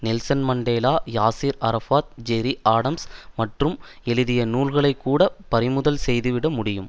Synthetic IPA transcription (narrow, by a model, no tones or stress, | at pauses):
nɪlsɐnmɐɳɖeːlaːjaːsiːɾɐɾɐfaːt̪̚d͡ʒɛɾiʔaːɽɐmsmɐʈrɯm | ɛlɯðɪjɐnuːlɣɐɭɐɪkːuːɽɐpɐɾɪmʊðɐlsɛjðɯʋɪɽɐmʊɽɪjɯm